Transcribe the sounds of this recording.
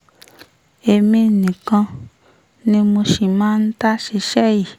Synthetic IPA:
e˧mĩ˧˨nĩ˨kã˧ | nĩ˦mo˧ʃi˨mãː˦n̩˦ta˦ʃi˧˦ʃɛ˦ji˨

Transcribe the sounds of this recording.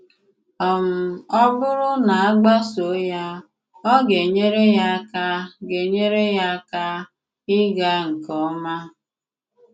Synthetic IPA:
ɔ˨m̩˨ɔ˦bʊ˦ɾʊ˦na˨a˦ɡ͡ba˦so˨˦ja˦ | ɔ˦ɡe˨ɲe˦ɾe˦ja˦ka˦ɡe˨ɲe˦ɾe˦ja˦ka˦ | ɪ˦ɡa˦ŋ̩˨kɔ˨˦ma˦

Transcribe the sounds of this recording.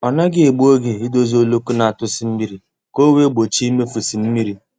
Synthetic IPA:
ɔ˨na˦ɡɪ˦e˨ɡ͡bu˦o˦ɡɪ˨ɪ˦do˦zo˨lo˦ku˦na˨a˨tʊ˦sɪ˨˦m̩˦mi˦ɾi˨ | ko˦we˦ɡ͡bo˨t͡ʃi˦i˦me˦fu˨si˨m̩˦mi˦ɾi˨

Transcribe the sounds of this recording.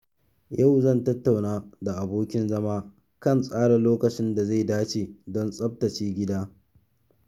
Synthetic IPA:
ja˦˨wzɐ˦˨ntɐ˦tːa˨wnaː˦da˨ʔa˨boː˦kʲɪ˦nzɐ˦maː˦ | kɐ˦˨nsʼaː˦ɽɐ˨loː˦kɐ˨t͡ʃɪ˦nda˨za˦˨jdaː˦t͡ʃeː˨dɔ˦nsʼɐ˦b̚tɐ˨t͡ʃiː˦ɡʲɪ˦daː˦

